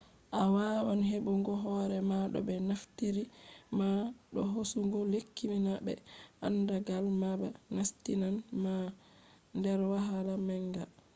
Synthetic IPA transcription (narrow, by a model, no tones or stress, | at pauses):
ʔawawanɦebuŋɡɔɦɔɾɛmaɗɔ̰bɛnaftiɾimaɗɔɦosuŋɡɔlekːiminabɛ̰ʔandaɡalmabanastinanma | ndɛɾwaɦalamɛŋɡa